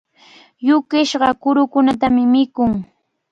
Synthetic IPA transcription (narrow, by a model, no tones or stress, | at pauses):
jʊkɪʃɢɑkʊɾʊkʊnat̪amɪmɪkʊŋ